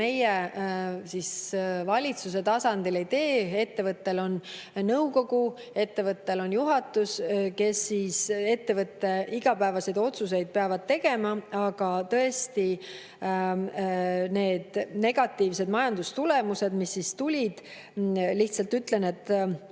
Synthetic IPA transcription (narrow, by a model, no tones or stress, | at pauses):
e̞je | sisvɑlʲit̪suse̞t̪ɑsɑnd̪̥ile̞jt̪e̞ːe̞t̪ːe̞vɤt̪ːe̞lo̞n | nɤwko̞ɡu | e̞t̪ːe̞vɤt̪ːe̞lo̞njuɦɑt̪ːˑuske̞sːiːse̞t̪ːe̞vɤt̪ːe̞iɡ̥ɑpæevɑse̞jd̪o̞t̪sus̬e̞jd̪̥̚peɑvɑd̪̚t̪e̞ɡe̞mɑɑɡ̥ɑt̪ɤ̞e̞st̪i | ne̞ːd̪̥ne̞ɡ̥ɑt̪ːˑiːvse̞d̪̥mɑjɑnd̪̥ust̪ule̞muse̞d̪misːist̪ulʲid̪̥ | liht̪sɑlt̪yt̪le̞ne̞t̪ːˑ